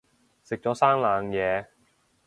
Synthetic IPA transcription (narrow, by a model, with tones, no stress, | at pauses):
sɪ˨k̚t͡ʃɔː˨˥saː˥ŋlaː˨˧ŋjɛː˨˧